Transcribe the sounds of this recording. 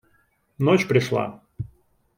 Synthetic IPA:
not͡ɕpɾʲɪʂlˠa̰

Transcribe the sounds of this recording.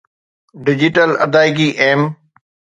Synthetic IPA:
ɖɪd͡ʑɪʈəlɐd̪aːɪɡiʔeːm

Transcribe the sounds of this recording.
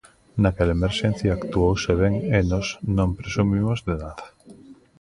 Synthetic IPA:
nakelemeɾʃẽnθjaːkt̪uowseβeŋenoznõmpɾesumimozðeðað

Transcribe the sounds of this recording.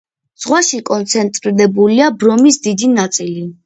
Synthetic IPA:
z̥ʁwaʃikʼɔnt̪sʰɛnt̪ʼɾiɾɛbuliabɾɔmisd̪id̪inat̪sʼili

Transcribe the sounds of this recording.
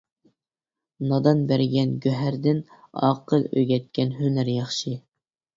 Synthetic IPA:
nɑd̪ɑnbæɾɡʲɛnɡʲøɦæɾd̪ɪnɑ̰qʰəlˠø̰jɡʲɛt̪̚kʲɛnɦynæɾjɑχʃɨ

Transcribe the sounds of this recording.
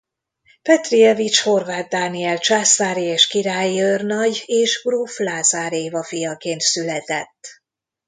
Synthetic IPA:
pɛt̪riɛvit͡ʃho̞rvaːt̪̚d̪aːniɛlt͡ʃaːsaːɾieːʃkiɾaːjiørnɒɟeːʒbruːflaːzaːɾeːvɒfijɒkeːnt̪sylɛt̪ɛt̪ː

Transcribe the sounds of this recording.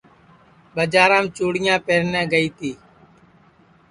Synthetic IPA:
ɓəd͡ʒaːɾãːmt͡ʃoːɽɪjãːpeːɾnɛ̃ːɡəiːt̪ʰiː

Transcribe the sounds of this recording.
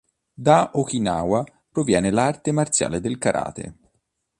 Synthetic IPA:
d̪aʔokinaːwa | pɾovjɛːnelart̪emart̪sja̰ːled̪elkaɾʔa̰ːt̪ḛ

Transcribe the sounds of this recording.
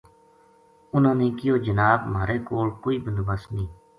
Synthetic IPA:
ʊnãːnĩːkɪjoːd͡ʒənaːbmaːɾeːkoːlkoːiːbənd̪bəsnĩː

